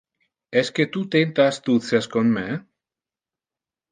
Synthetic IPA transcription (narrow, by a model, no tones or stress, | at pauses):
esket̪ut̪ent̪ast̪ut͡seskonme